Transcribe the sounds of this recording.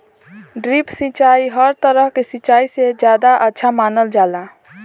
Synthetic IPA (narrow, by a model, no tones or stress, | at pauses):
ɖɾipsit͡ʃaːiɦəɾt̪əɾəɦkesit͡ʃaːised͡ʒjaːd̪aʔətːʃʰamaːnəld͡ʒaːla